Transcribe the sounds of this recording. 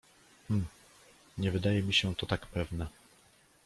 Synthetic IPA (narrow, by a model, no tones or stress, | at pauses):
m̩ | ɲɛvɘd̪ajɛmʲiɕɛt̪ɔt̪akpɛvnɛ